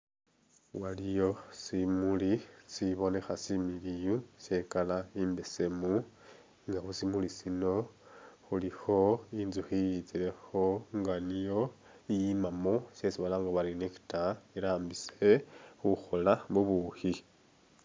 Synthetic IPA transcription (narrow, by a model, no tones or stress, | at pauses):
walijo̞simulisiβo̞ne̞xasimilijuse̞kalaiːmbese̞mu | ŋɡaxosimulisino̞xulixo̞inzuxijit͡sile̞xo̞ŋɡanijo̞ | ijimamose̞siβalaŋɡaβaɾineki̥taiɾaːmbise̞xuxo̞lamuβuhi